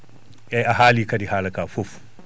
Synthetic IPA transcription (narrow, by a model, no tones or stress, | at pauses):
ʔɛaɦaːliːkɐdihalɐkaːfofu̥